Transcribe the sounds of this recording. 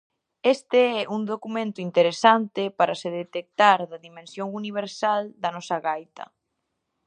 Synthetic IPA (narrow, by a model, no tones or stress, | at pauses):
est̪eɛʔuŋd̪okumẽnt̪ʊint̪eɾesant̪ɪpaɾɐseðet̪ek̚t̪aɾðɐðimẽnsjoŋuniβ̞eɾsald̪ɐnɔsɐɣajt̪ɐ̰